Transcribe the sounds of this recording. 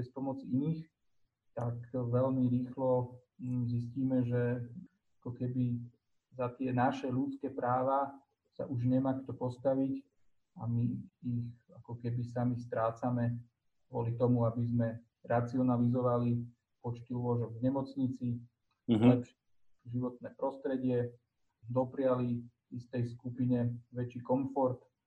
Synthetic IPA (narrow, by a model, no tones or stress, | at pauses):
ɛspɔmɔt͡siiniːx | t̪akʋɛʎmiɾiːxlɔ | zisciːmɛʒɛ | akɔkɛbi | zat̪ɪɛnaʃɛlut͡skɛːpɾaːʋa | sa̰ʔuʒɲɛmaːkt̪ɔpɔst̪aʋic | amiːxakɔkɛbisamixst̪ɾaːt͡samɛ | ɡʊɔ̰lit̪ɔmuabizmɛ | ɾat͡siɔnalizɔʋali | pɔt͡ʃt̪iulɔʒɔɡvɲɛmɔt͡sɲit͡si | lɛpʃɛ | ʒiʋɔt̪̚nɛːpɾɔst̪ɾɛɟɪɛ | d̪ɔpɾɪali | ist̪ɛjskupiɲɛʋɛt͡ʃikɔɱfɔɾt̪